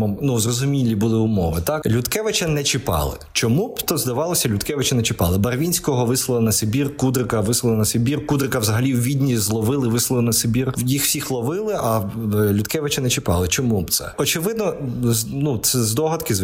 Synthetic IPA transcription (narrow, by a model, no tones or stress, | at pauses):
ɔnuzrɔzʊmʲilʲːibʊlˠɪʊmɔ̰ʋɪt̪ɑklʲʊt̪kɛʋɪt͡ʃɐnɛt͡ʃɪpɑ̰lˠɪ̰t͡ʃɔmubt̪ɔzd̪ɐʋɑlˠɔsʲɐlʲʊd̪kɛʋɪt͡ʃɐnɛt͡ʃɪpɑ̰lˠɪbɐrʋʲinʲsʲkɔɦɔʋɪslˠɐlˠɐnɐsebʲirkud̪ɾɪkɐʋɪslˠɐlˠɐnɐsebʲirkud̪ɾɪkɐwzɐɦɐlʲiwʋʲid̪ʲnʲizlˠɔʋɪlˠɪʋɪslˠɐlˠɪnɐsebʲirjixw̥sʲixlˠɔʋɪlˠɪʔɐlʲʊd̪kɛʋɪt͡ʃɐnɛt͡ʃɪpɑ̰lˠɪt͡ʃɔmubt̪sɛ̰ɔt͡ʃɪʋɪd̪nɔ | nusɛzd̪ɔɦɐt̪kɪ